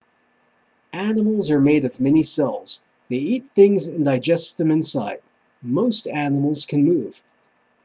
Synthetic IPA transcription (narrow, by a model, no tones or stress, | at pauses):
ʔænəml̩ˠzə˞meɪɾʌvmɛnisɛlˠz̥ | ðeɪit̪̚θɪ̃ŋzɨ̃ndaɪd͡ʒɛstðɨ̃mɨ̃nsaɪd̚ | moʊstænəml̩ˠz̥kʰɨ̃nmuv̥